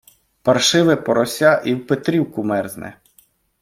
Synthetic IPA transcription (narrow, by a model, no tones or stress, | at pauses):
pɐrʃɪʋɛpɔɾɔsʲɑʔiwpet̪ɾʲiwkʊmɛrznɛ̰